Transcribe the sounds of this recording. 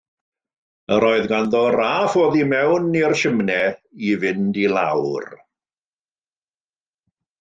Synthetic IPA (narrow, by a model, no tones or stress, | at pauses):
əɾoːɨðɡanðɔɾaːfoːðimɛwnːirʃəmnɛivɪndila̰wr